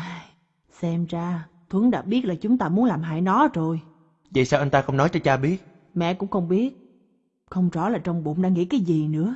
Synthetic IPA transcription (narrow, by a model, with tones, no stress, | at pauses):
ʔaː˧˩j | sɛ˧mzaː˧ | t̪ʰwə˨˦ŋɗa̰ː˧˥ɓi˦˥ət̚laː˨˩t͡ɕʊ˨˦ŋ͡mt̪aː˧mu˨˦ənlaː˨˩mɦa̰ː˧˥jnɔ˨˦zo˨˩j | və̰˧˨jsaː˧wʔə˧nt̪aː˧xə˧wŋ͡mnɔ˨˦jt͡ɕɔ˧t͡ɕaː˧ɓi˦˥ət̚ | mɛ̰˧˨kʊ̰˧˥ŋ͡mxə˧wŋ͡mɓi˦˥ət̚ | xə˧wŋ͡mzɔ̰˧˩laː˨˩t͡ɕɔ˧wŋ͡mɓo̰˧˨nɗa̰ː˧˥ŋḭ˧˥kaː˨˦jzi˨˩nɨ̰˧˥ə